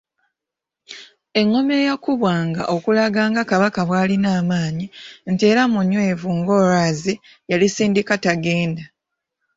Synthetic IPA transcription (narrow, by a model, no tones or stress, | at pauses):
e̞ŋːo̞me̞jakuβwaːŋɡa̰ʔo̞kulaɡaːŋɡakaβakaβwaːlinaːmaːɲinteːɾamuɲːweːvuŋɡo̞ːɾaːzi | jalisiːndikataɡe̞ːnda